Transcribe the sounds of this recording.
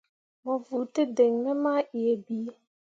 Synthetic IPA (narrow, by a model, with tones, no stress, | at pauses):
mɔ˨vu˨tɪ˦de˨ŋːə˦ma˦ʔi˨e˦biː˦